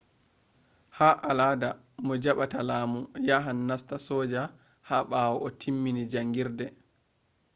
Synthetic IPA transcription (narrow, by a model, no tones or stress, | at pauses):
haʔalaːda | mɔd͡ʒaɓatalaːmujaɦanːastasɔːd͡ʒa | haɓaːwɔɔtʰimːinid͡ʒaŋɡiɾdɛ